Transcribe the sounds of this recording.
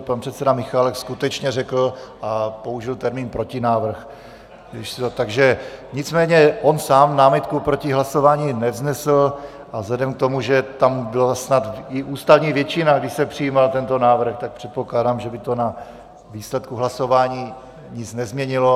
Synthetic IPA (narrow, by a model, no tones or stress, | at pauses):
panpr̥ɛt̪sɛdamɪxalɛkskut̪ɛt͡ʃɲɛrɛkl̩ʔapo̞uʒɪlt̪ɛɾmiːnpɾo̞cɪnaːvr̩x | ɡdɪʃst̪ot̪aɡʒɛɲɪt͡smɛːɲɛʔo̞nsaːmvnaːmɪt̪kupɾo̞cɪɦlaso̞vaːɲiːnɛvznɛsl̩ | ʔavzlɛdɛmk̚t̪o̞muʒɛt̪ambɪlasnat̪ɪʔuːst̪avɲiːvjɛt͡ʃɪnaɡdɪʃsɛpr̝̥ɪjiːmalt̪ɛnt̪o̞naːvr̩xt̪ak̚pr̥ɛt̪̚po̞klaːdaːmʒɛbɪt̪o̞na | viːslɛt̪kuɦlaso̞vaːɲiː | ɲɪt͡snɛzmɲɛɲɪlo